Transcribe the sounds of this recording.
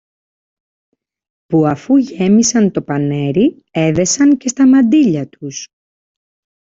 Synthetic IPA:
puɐfuʝe̞misɐnt̪o̞pɐne̞ɾi | e̞ðe̞sɐŋce̞st̪ɐmɐnd̪iʎɐt̪us

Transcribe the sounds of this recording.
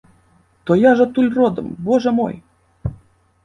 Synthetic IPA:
t̪ojɑʒɤ̆t̪ulʲrod̪ɤ̰̆mboʒɤ̆mo̰j

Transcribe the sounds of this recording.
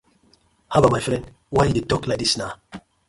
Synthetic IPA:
habamajfɹɛ̃nd | wajdetɔklak̚disna

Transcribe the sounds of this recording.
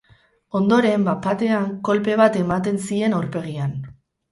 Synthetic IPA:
o̞nd̪o̞ɾe̞mbapat̪e̞aŋko̞lpe̞β̞at̪e̞mat̪e̞nsie̞nawɾpe̞ɣ̞ian

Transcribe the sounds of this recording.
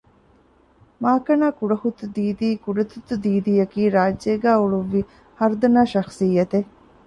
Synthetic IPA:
maːkɐnaːkuɖɐhut̪ud̪iːd̪iːkuɖɐt̪ut̪ud̪iːd̪iːjɐkiːɾaːd͡ʒːeːɡæːuɭuʋːi | hɐɾd̪ɐnaːʃɐxsijːɐt̪e

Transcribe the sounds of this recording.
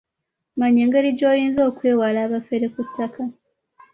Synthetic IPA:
maɲeːŋɡe̞ɾiɟo̞ːjiːnzo̞ːkwe̞ːwalaːβafeɾe̞kutʰːaka

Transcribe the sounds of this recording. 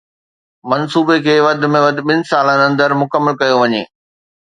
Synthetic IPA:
mɐnsuːbekʰeːʋɐd̪ʱɪ̆mẽʋɐd̪ʱɪ̆ɓɪnɪ̆saːlə̃nɐ̃nd̪əɾmʊkəmːəlkɐjoʋɐɲḛː

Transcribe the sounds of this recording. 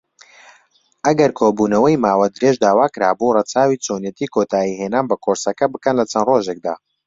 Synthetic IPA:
ʔɐɡɐɾkʰoːbuːnɐwɐjmaːwɐd̪ɨɾeʒd̪aːwaːkɨɾa̰ːborɐt͡saːwiːt͡sʰonjet̪iːkʰot̪ʰaːjiɦenaːnbɐkʰoɾsɐkɐbɨkɐnlɐt͡sʰɐnroːʒeːk̚d̪a̰ː

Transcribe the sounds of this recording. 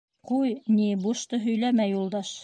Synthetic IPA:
qujnibuʃt̪ɤɦɵ̆jlæmæjːulˠd̪ɑʃ

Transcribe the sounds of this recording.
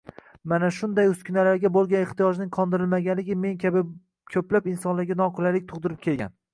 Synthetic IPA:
manaʃʊnd̪ajʊskʲʰʊnalaɾɡʲabolˠɡʲaneχt̪ijɒʒnɪŋqʰɒnd̪ɪɾɪlmaɡʲanlɪɡʲɪme̞nkʲʰabɪ | kʲʰɵplapɪnsɒnlaɾɡʲanɒqʰʊlalɪk̚ʲt̪ʰʊʁd̪ɪɾɪp̚kʲʰe̞lɡʲa̰n

